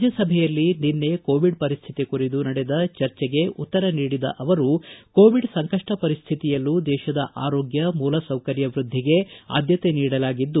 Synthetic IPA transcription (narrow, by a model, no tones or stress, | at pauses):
d͡ʒɐsɐbʱɛjɐlːininːe̞koːʋiɖpɐɾist̪ʰit̪ikuɾid̪unɐɽɛd̪ɐt͡ʃɐɾt͡ʃɛɡe̞ut̪ːɐɾɐniːɽid̪ɐ̰ʔɐʋɐɾuko̞ːʋiɖsɐŋkɐʂʈɐpɐɾist̪ʰit̪ijɐlːud̪ɛːʃɐd̪ɐʔaːɾoːɡjɐmuːlɐsɐwkɐɾjɐʋɾud̪ʱːiɡe̞a̰ːd̪jɐt̪e̞niːɽɐlaːɡid̪ːu